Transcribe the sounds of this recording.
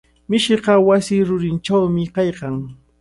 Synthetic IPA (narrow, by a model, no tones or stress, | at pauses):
mɪʃɪqɑwasɪːɾʊɾɪnʈ͡ʂawmɪqɑjqɑŋ